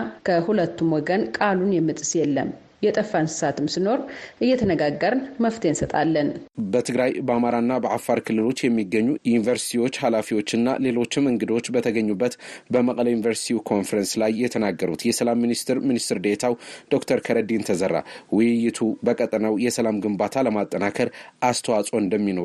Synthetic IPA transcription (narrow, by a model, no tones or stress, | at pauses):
kʰəhulət̪ːumwɔɡənkʼalunjɛmːɨt̪ʼɨsjɛlːə̰m | jɛt̪ʼəfːansɨ̥sat̪ʰɨmsɨno̞ɾʔɨjːɛt̪ʰənəɡaɡːəɾnməft̪ʰensət̪ʼa̰lːənbət̪ʰɨɡɾajbəamaɾanːabəʔafːaɾkʰɨlːɨlo̞t͡ʃːjɛmːiɡːəɲːujɪnivəɾsi̥t̪ʰiwo̞t͡ʃːhalafiwo̞t͡ʃːɨnːa̰le̞lo̞t͡ʃːɪmɨŋɡɨd̪o̞t͡ʃːbət̪ʰəɡəɲːubːət̪bəməkʼləjunivəɾsi̥t̪ʰiwkʰo̞nfəɾənslajːɛt̪ʰənaɡːəɾut̪jɛsəlamːinist̪ʰɨɾminist̪ɨɾd̪et̪ʰawd̪̥o̞kt̪ʰəɾkʰəɾəd̪iɨnt̪ʰəzərːa̰wɪjɪjːɪt̪ʰubəkʼət̪ʼnəwjɛsəlamɡɨmbat̪ʰaləmat̪ʼːənakʰəɾʔast̪ʰəwat͡sʼo̞ɨnd̪əmːino̞ɾ